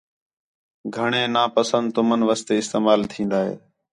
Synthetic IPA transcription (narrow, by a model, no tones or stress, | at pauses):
ɡʱəɳeːnaːpəsənd̪t̪ʊmənʋəst̪eːɪst̪eːmaːlt̪ʰĩːnd̪aːɦḛː